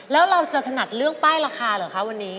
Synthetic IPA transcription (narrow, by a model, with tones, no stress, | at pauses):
lɛː˦˥wɾa˧wt͡ɕa˨˩t̪ʰa˧na˨˩t̪̚lɯ˥˩əŋpaː˥˩jɾaː˧xʰaː˧lɤː˨˩jkʰa˦˥wa˧nːiː˦˥